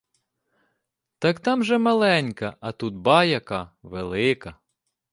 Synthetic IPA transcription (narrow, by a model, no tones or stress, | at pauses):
t̪ɑkt̪ɑmʒɛmɐlˠɛnʲkɐɐt̪ut̪̚bɑjɐkɑʋelˠɪkɐ